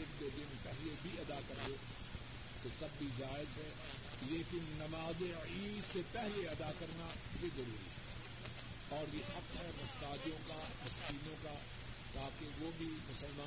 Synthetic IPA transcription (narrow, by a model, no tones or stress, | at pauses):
ɪbd̪ed̪ɪnpɛɦlebʱiɐd̪akɐɾd̪e | t̪ot̪ɐbːid͡ʒaːɪzɦɛː | leːkɪnːɐmaːze | iːd̪sepɛɦleɐd̪akɐɾna | bezɐɾuːɾḭɦɛ | ɔːɾjehɐqɦɛmʊst̪aːd̪jõka | ɐskiːnõka | t̪aːkeʋobʱimʊsəlmaː